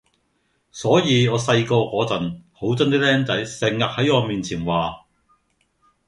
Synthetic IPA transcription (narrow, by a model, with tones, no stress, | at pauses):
sɔː˨˥jiː˨˧ŋɔː˨˧sɐ˧jkɔː˧kʷɔː˨˥t͡sɐ˨nho˨˥wt͡sɐ˥nt̪iː˥lɛː˥nt͡sɐ˨˥jsɪ˨˩ŋːɐ˨k̚hɐ˨˥jɔː˨˧miː˨nt͡sʰiː˨˩nwaː˨